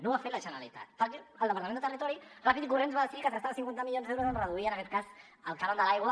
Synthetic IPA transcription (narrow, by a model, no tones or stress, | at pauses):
noafelaʃanalḭt̪a̰t̪fak̪iald̪epaɾt̪amenot̪erit̪oɾirafiðik̬uɾenzβalsikasast̪aβasiŋkwenamiʎjonzewɾoenreðuienaket̪̚kas | alk̪aɾond̪alajɣwa